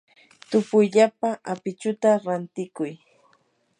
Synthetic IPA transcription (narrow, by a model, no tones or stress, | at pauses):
t̪ʊpʊjʎapaʔapɪt͡ʃʊt̪aɾant̪ɪkʊj